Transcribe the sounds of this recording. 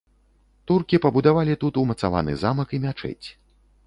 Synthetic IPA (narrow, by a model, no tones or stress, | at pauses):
t̪urkʲipɐbud̪avalʲit̪ut̪umɐt̪sava̰nɨ̰zamɐkimʲat͡ʂɛ̰t͡sʲ